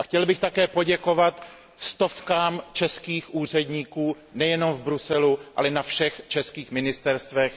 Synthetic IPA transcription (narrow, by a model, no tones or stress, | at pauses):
ʔaxcɛlbɪxt̪akɛːpo̞ɟɛko̞vat̪ | st̪o̞fkaːmt͡ʃɛskiːxʔuːr̝ɛdɲiːkuː | nɛjɛno̞mvbɾusɛluʔa̰lɛnafʃɛxt͡ʃɛskiːxmɪnɪst̪ɛɾst̪vɛx